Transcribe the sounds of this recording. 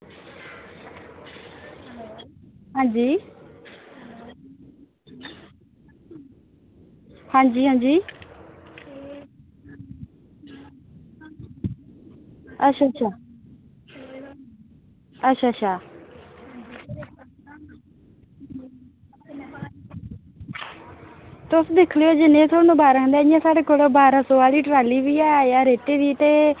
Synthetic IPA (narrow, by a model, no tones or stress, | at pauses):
ɦãːnd͡ʑiː | hãːnd͡ʑiːɦãːnd͡ʑiː | ɐɕʰat͡ʃʰa | ətːʃʰaːʃʰaː | t̪ʊsd̪ɪkʰlejoːd͡ʒɪnẽːt̪ʰoːɽnũːbaːɾand̪eːɪjãːsaːɽeːkoːlbaːɾãːsoːaːliːʈɾaːliːʋiːaːjaːɾeːʈeːd̪iːt̪eː